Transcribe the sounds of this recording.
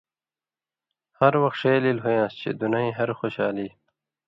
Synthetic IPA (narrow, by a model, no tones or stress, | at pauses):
hɐɾwʌxt̪ʂejlilɦujãːst͡ɕʰḛd̪unaĩɦɐɾxoɕaːliː